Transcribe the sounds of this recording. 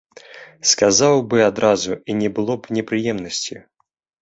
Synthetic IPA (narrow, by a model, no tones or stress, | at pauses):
skazawbɨad̪ɾazuinʲɛbɨlˠɔpnʲɛpɾɨjɛmnɐsʲt͡sʲi